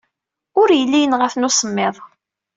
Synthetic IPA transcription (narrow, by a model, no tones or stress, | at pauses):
ʊɾjəlːijənʁəfnʊsəmːɪðˤ